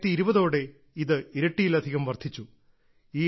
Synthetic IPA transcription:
t̪ːiiɾubɐðo̞ːɽe̞ | iðɨiɾɐʈːijilɐd̪ʱiɣɐmʋɐrd̪ʱit͡ɕːu | iː

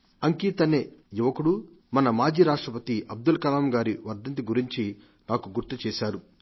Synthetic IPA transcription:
ɐŋkiːt̪ɐneːjuʋɐkuɽu | mɐnɐmaːd͡ʒiːɾaːʂʈɾɐpɐt̪iʔɐb̚d̪ulkɐlaːmɡaːɾiʋɐɾd̪ɐnt̪̬iɡuɾiɲt͡ʃi | naːkuɡuɾt̪ut͡ʃɛːʃaːɾu

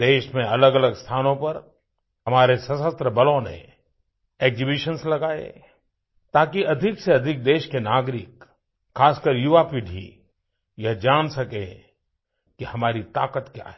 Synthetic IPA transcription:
d̪eːʃmẽɐləɡɐləɡst̪ʰaːnõpɐɾ | ɦɐmaːɾesɐsəst̪ɾəbɐlõnḛ̃ | eːɡzibiʃənslɐɡaːḛ | t̪aːkiɐd̪ʱɪkseɐd̪ʱɪk̚d̪eːʃkenaːɡɾɪk | xaːskəɾjuʋapiɖʱḭ | jɐɦd͡ʒaːnsɐkẽ | kihɐmaːɾit̪aːkət̪kja̰ːɦɛ

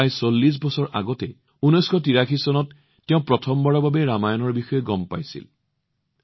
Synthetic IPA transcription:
jsolːis̬bɔsɔɹʔa̰ɡɔtɛ | unɔjskʰɔt̬iɹakʰisɔnɔtː | eʊ̃pɹɔtʰɔmbɔɹɔbabɛɹamajɔnɔɹbixɔjɛɡɔmpa̰jsḭl

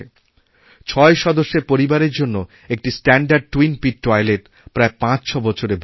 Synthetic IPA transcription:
e | t͡ɕʰɔeʃɔd̪oʃːeɾpoɾibaɾeɾd͡ʑonːo | ek̚ʈisʈɛɳɖaɾɖ̚ʈwinpiʈːɔjleɾ | pɾaepãt͡ɕt͡ɕʰɔbɔt͡ɕʰoɾebʱ

